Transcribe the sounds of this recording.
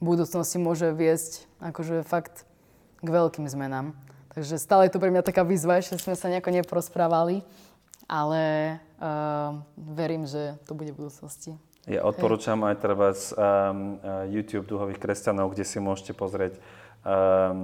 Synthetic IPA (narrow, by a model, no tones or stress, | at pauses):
bud̪uːt͡snɔscimʊɔʒɛʋɪɛsc | akɔʒɛfakt̪ | ɡʋɛʎkiːmzmɛnaːmt̪aɡʒɛst̪aːlɛjɛt̪ɔpɾɛmɲat̪akaːʋiːzʋaɛʃcɛzmɛsaɲɛakɔɲɛpɔɾɔspɾaːʋali | ʔalɛ | ʋɛɾiːmʒɛt̪ɔbuɟɛbud̪uːt͡snɔsci | ja̰ʔɔt̪̚pɔɾuːt͡ʃamajt̪ɾɛʋas | juːt̪juːb̚d̪uɦɔʋiːxkɾɛscanɔʊɡɟɛsimʊɔʃcɛpɔzɾɪɛc